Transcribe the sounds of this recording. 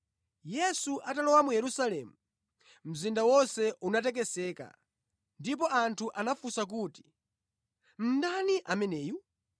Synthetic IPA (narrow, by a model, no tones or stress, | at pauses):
jɛsuʔatalɔwamujɛɾusalɛmu | m̩zindawɔnsɛʔunatɛk̬ɛsɛːka̰ | ndip̬ɔʔantʰuʔanafusak̬uːti̥ | m̩daniʔamɛnɛːju